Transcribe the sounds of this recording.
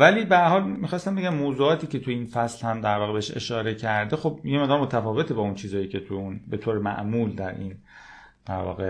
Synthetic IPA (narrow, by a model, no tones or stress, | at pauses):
væliːbeæɾhɒːlmixɒːst̪æmbeɟæmːoːzuːɒːt̪ʰiːce̞t̪ʰujeiːnfæslhæmd̪æɾvɒːɣebehʃe̞̰ʃɒːɾe̞cʰæɾd̪exo̞b̚jemeʁd̪ɒɾmo̞t̪ʰæfɒːve̞t̪ʰebɒːunt͡ʃʰiːzɒːjiːcʰe̞t̪ʰujunbe̞t̪ʰoːɾemæ̰ʔmuːld̪æɾʔḭːn | d̪̥æɾvɒ̰ːɣe